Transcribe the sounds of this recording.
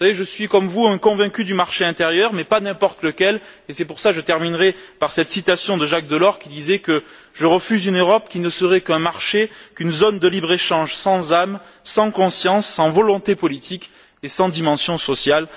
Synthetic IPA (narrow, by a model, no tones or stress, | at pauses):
saveʒəsɥikɔmvuɛ̃kɔ̃vɛ̃kʲyd̪ymaʁʃeɛ̃t̪eʁjœʁmɛpanɛ̃pɔʁt̪ləkʲɛl | esɛpuʁsaʒət̪ɛʁminʁɛpaʁsɛt̪sit̪asjɔ̃d̪əʒak̚d̪əlɔʁkʲid̪izɛkə | ʒəʁəfyzynøʁɔpkʲinəsəʁɛkɛ̃maʁʃekynzɔnd̪əlibʁeʃɑ̃ʒsɑ̃zam | sɑ̃kɔ̃sjɑ̃sːɑ̃vɔlɔ̃t̪epɔlit̪ik | esɑ̃d̪imɑ̃sjɔ̃sɔsjal